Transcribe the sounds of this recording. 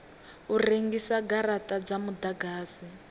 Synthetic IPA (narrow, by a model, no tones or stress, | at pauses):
ureŋɡisaɡaɾatʼad͡zamudaɡaːsi